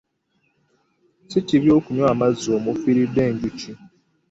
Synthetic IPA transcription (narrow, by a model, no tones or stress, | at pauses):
siciβjoːkuɲwaːmazoːmufiɾidːe̞ːɲɟuci